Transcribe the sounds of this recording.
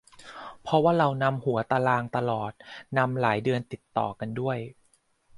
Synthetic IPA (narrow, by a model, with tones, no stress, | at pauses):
pʰɾɔ˦˥waː˥˩ɾa˧wna˧˥mhu˩˦ɐt̪a˧laː˧ŋt̪a˧lɔː˨˩t̪̚na˧mlaː˩˦jdɯ˧ənt̪i˨˩t̪ːɔ̰ː˨˩ka˧ndu˥˩əj